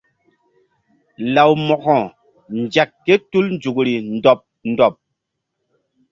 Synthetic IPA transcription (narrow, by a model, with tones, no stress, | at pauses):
la˨wmɔ˨kɔ̃˨ | n˨d͡ʒa˨kːe˦tu˦ln˦d͡ʒu˨kɾi˨n̩˦dɔ˨p̚n̩˨dɔ˨p̚